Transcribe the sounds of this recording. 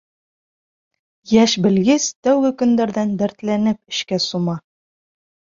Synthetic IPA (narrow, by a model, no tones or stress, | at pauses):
jæʃbɘ̆lɡɘst̪æwɡɘkɵ̆nd̪æɾðænd̪æɾt̪lænɘp̚ɘ̆ʃkæsumɑ